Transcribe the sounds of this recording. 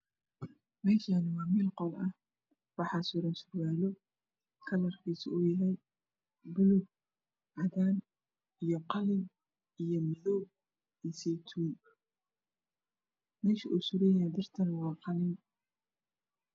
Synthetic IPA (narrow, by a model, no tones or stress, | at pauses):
mɛːʃaːnɪwɑːmiːlqɔlɐh | wɑħɑːsʊɾɐnsʊrɣaːlɔ | kʰɐlɐrkʰiːsɪuːjɐɦɛj | bʊlʊɡ̚ | ʕɑðaːn | ijɔqɑlɪm | ijɔmɪðɔːb̚ | isɛjt̪ʰuːn | mɛːʃiʔusʊɾɛːjjaːnd̪ɐrt̪ʰɐnwɑːqɑlɪn